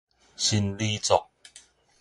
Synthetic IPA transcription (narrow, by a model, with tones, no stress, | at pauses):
ɕi˧nli˦t͡sɔ˨k̚